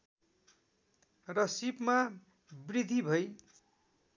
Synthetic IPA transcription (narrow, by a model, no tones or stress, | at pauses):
rʌsipma | brid̪ʱibʱʌj